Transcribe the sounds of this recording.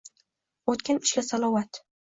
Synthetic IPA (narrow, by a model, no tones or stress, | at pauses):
ot̪kʲanɪʃkʲasalˠɒwat̪